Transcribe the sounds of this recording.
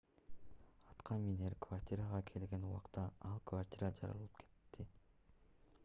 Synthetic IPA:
ɑt̪qʰɑnmineɾkvartʲiɾaʁɑkʰe̞lɡe̞nuwɑqt̪ɑɑlˠkvartʲiɾad͡ʒɑɾɑ̰llˠɯpkʰe̞̥t̪ːi

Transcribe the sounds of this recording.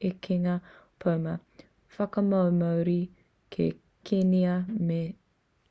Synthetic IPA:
ekʰeŋɐ | pʰowmɐ | fɐkɐmɐwmɐwɾi | kʰḛ | kʰeniɐme

